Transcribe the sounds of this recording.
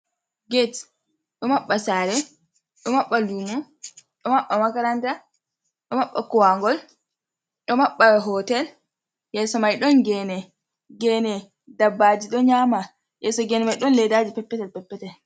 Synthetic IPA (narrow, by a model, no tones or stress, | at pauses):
ɡet | ɗɔmaɓːasaːɾɛ | ɗɔmaɓːalumu | ɗɔmaɓːamakaɾanta | ɗɔmaɓːakɔwaŋɡɔl | ɗɔmaɓːaɦɔtɛl | jɛsɔmajɗɔnɡɛnɛ | ɡɛnɛ | dabːad͡ʒiɗɔɲaːma | jɛsɔɡɛnɛmajɗɔnlɛdaːd͡ʒipɛpːɛtɛlpɛpːɛtɛl